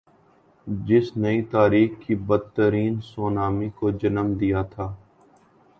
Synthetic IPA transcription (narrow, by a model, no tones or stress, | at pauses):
d͡ʒɪsnɐit̪aːɾiːxkibəd̪̚t̪ːəɾiːnsoːnaːmikod͡ʒɐnəmd̪ijat̪ʰaː